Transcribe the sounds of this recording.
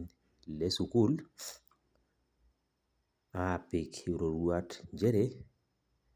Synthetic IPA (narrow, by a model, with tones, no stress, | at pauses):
le˦su˨ku˦l | a˨pi˨kɾo˨ɾwa˦td͡ʒe˦ɾe˦